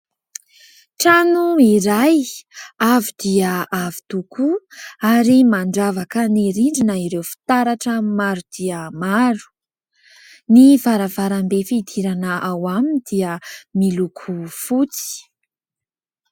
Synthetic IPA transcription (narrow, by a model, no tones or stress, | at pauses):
ʈ͡ʂanuiɾajavid̪̥iəavi̥t̪ukuaɾimaɳɖ͡ʐavakəniɾiɳɖ͡ʐinaiɾewfi̥t̪aɾaʈ͡ʂəmaɾud̪̥iəmaɾu̥ | nivaɾavaɾambefid̪ʰiɾanaʔawamind̪iəmilukʰufut͡si̥